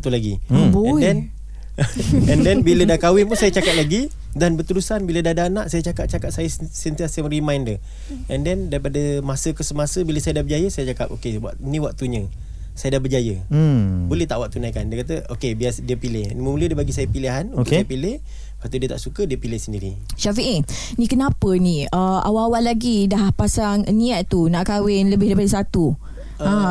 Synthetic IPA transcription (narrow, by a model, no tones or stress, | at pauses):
t̪ulaɡibɛdɛn | ɛndɛnbilədakawɪpʊnsajət͡ʃakat̪̚laɡi | danbət̪əɾusanbilədahdanaʔsajət͡ʃakat̪̚t͡ʃakat̪sajəsənt̪iasjamɾimajndə | ʔɛndɛndaɾipadəmasəkəsəmasəbiləsajədahbəd͡ʒajəsajət͡ʃakap̚okeaʔnĩwak̚t̪uɲə̃ | sajədahbərd͡ʒajə | bolɛht̪aʔwak̚t̪unajkandiəkat̪əokebiasdiəpilɪhnməmulədəbaɡisajəpiliɦanʊʔsajəpilɪh | bat̪udiət̪aʔsukədiəpilɪhsəndiɾi | ʃafiʔe | nikənãpənĩəa̰wawalaɡidahpasaŋnĩaʔ̪t̪unaʔkawɪnləbɪhdaɾipadəsat̪u | a